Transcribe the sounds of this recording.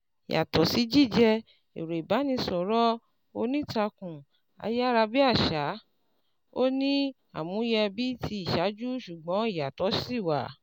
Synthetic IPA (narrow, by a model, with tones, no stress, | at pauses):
i˨jʔa̰˨tɔ˨si˨˦d͡ʒi˦˨d͡ʒɛ˧ | e˨ɾe˨ba˨˦nĩ˧sɔ̃˨ɾɔ˦ | o˧nĩ˦ta˧kũ˨ | a̰˧ja˦ɾa˧bi˦a˦˨ʃa˨˦ | o˦nĩ˦ | a̰˦˨mũ˨˦jɛ˧bi˦tʰi˧˦i˦˨ʃa˨˦d͡ʒu˦ʃu˨ɡ͡bɔ̃˨˦i˦˨ja˨tɔ˨˦si˦˨wa˨